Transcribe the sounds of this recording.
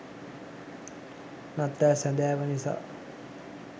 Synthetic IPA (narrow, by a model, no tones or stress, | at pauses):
nat̪ːæːsænd̪æːʋənisa̰ː